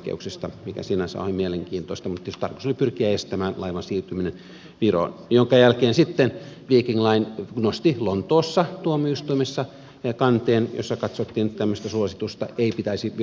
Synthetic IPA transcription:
kḛuksist̪ɑmikæ̰sinæsɑ̰ˑhemieleŋkiːnt̪oist̪ɑmut̪jost̪ɑ̰rko̥solipyrkiæest̪æmæːnlɑiʋɑnsiːrt̪yminen | ʋiro̰njoŋkɑjælkeːnsit̪ːenʋiːkiŋlɑinnost̪ilont̪oːsːɑt̪uomːioist̪uimesːɑ | kɑnt̪eːnjo̰sːɑkɑt̪sot̪ːiːnyt̪t̪æmːøst̪æsuosit̪ust̪ɑ̰eipit̪æisi

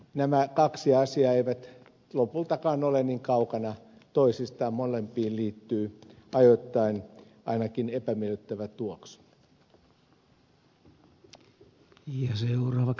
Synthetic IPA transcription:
næmækɑksiɑsiɑːeiʋæt̪ | lopult̪ɑkɑːnoleniŋkɑukɑnɑ | t̪oisist̪ɑːmmolempiːlliːt̪ːyːɑjot̪ːɑin | ɑ̰inɑkinepæmieløt̪ːæʋæt̪uoksu̥ | jɑseurɑːʋɑ

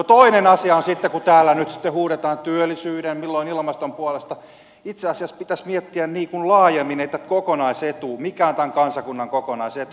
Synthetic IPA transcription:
not̪oinenɑsiɑonsit̪ːekut̪æːlːænyt̪si̥t̪ːehuːɾet̪ɑːnt̪yølːˑisyːdemmilːoinilmɑst̪ompuolest̪ɑ | it̪seɑsiɑspit̪æsmiet̪ːiænniːkunlɑːjemːinet̪ːækokonɑiset̪uːmikæːnt̪æŋkɑnsɑkunːɑŋkokonɑiset̪u

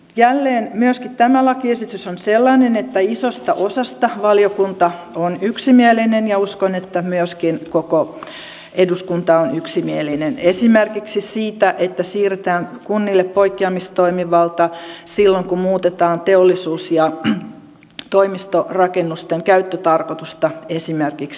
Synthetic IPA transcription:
jælːeːnmyøskitt̪æmælɑkiesit̪ysonselːɑnenet̪ːæisost̪ɑʔosɑst̪ɑʋɑljokunt̪ɑ | onyksimielinenjɑuskonet̪ːæmyøskinkoko | eduskunt̪ɑonyksimielinenesimerkiksisiːt̪æʔet̪ːæsiːret̪æːŋkunːilːeppoikːiɑmist̪oimiʋɑlt̪ɑsilːoŋkumuːt̪et̪ɑːnt̪eolːisuːsjɑ | t̪oimist̪orɑkenːust̪eŋkæyt̪ːøt̪ɑrkot̪ust̪ɑesimerkiks

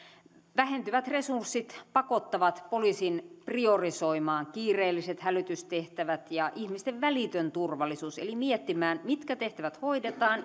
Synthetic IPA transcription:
ʋæhent̪yʋæt̪resursːit̪pɑkot̪ːɑʋɑt̪poliːsinpriorisoimɑːŋkiːreːlːiset̪hælyt̪yst̪eht̪æʋæt̪jɑʔihmist̪eʋʋælit̪ønt̪urʋɑlːˑisuːsḛlimiet̪ːimæːnmit̪kæt̪eht̪æʋæt̪hoidet̪ɑːn

